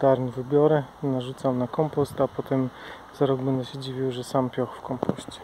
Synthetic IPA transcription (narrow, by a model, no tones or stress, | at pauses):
d̪aɾɲivɘbʲjɔɾɛnaʐut̪samnakɔmpɔst̪apɔt̪ɛm | z̥aɾɔɡbɛnd̪ɛɕɛd͡ʑivʲiwʐɛsampʲjɔxfkɔmpɔɕt͡ɕɛ̥